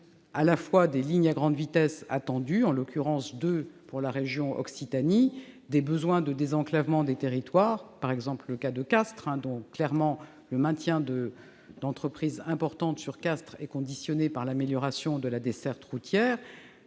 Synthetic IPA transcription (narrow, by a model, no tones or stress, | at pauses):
alafwad̪eliɲaɡʁɑ̃d̪vit̪ɛsa̰t̪ɑ̃d̪yɑ̃lɔkʲyʁɑ̃sd̪øpuʁlaʁeʒjɔ̃ʔɔ̰ksit̪anid̪ebəzwɛ̃d̪əd̪ezɑ̃klavmɑ̃d̪et̪eʁit̪waːʁpaʁɛɡzɑ̃plləkad̪əkast̪χɛ̃d̪ɔ̃klɛʁmɑ̃ | ləmɛ̃t̪jɛ̃d̪ə | d̪ɑ̃t̪χəpχizɛ̃pɔʁt̪ɑ̃t̪syʁkast̪χɛkɔ̃d̪isjɔnepaʁlameljɔʁasjɔ̃d̪əlad̪esɛʁt̪ʁut̪jɛːʁ